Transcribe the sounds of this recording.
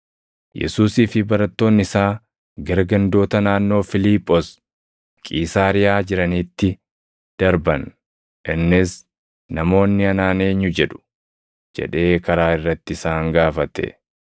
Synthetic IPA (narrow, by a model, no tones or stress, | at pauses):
jʔɛ̰suːsiːfɪbɐɾɐt̪ːo̞ːnːɪsaː | ɡɐɾɡɐnd̪o̞ːt̪ɐnaːnːo̞ːfɪliːpʼːos | kʼiːsaːɾɪjaːd͡ʒɪɾɐniːt̪ːɪ | d̪̥ɐɾbɐn | ʔɪnːɪs | nɐmo̞ːnːɪɐnaːneːɲːʊd͡ʒɛᶑʊ̥ | d͡ʒɛ̰ᶑe̞ːkɐɾaːɪrːɐt̪ːɪɪsaːŋɡaːfɐt̪ɛ̰